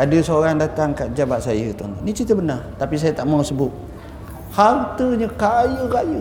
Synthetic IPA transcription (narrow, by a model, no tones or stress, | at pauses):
adəsəoɾaŋdat̪aŋkaʔ̪̚d͡ʒabat̪̚sajət̪ont̪nit͡ʃit̪əbənart̪apis̬ajət̪aʔmasəbʊt̪̚ | halt̪əɲəkajəkajə